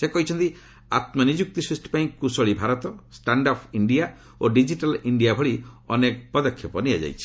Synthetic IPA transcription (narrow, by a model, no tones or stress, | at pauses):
sekɔɦit͡ʃʰɔnt̪i | a̰t̪mɔnid͡ʒuk̚t̪isɾusʈʰi̥paĩkusɔɭibʱaɾɔt̪ɔsʈaɳɖɔpʰiɳɖija | oɖid͡ʒiʈaliɳɖijabʱɔɭiɔnekpɔd̪ɔkʰːjɔpɔniad͡ʒa̰jt͡ʃʰi̥